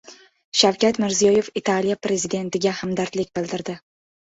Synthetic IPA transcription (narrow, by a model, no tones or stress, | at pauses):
ʃawkʲat̪mɪɾzijɒje̞fit̪ʰalijapɾe̞zid̪e̞nt̪ɪɡʲahamd̪aɾt̪lɪkʲbɪlˠd̪ɪɾd̪ɪ